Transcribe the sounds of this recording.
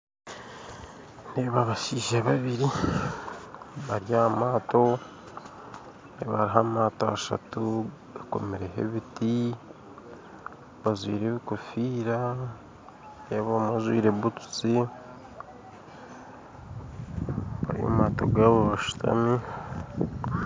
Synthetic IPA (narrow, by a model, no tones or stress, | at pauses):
neβaβaʃiːʒaβaβiɾi | βaɾjamaːto̞ | neβa̰ɾiɦamaːtoaʃa̰tu | ako̞̰meɾehḛβiti | βazwḭːɾeβikofiːɾa | neβomazwḭːɾeβutu̥t͡si | βa̰ɾio̰maːto̞̰ɡaβoβaʃu̥tʰa̰mi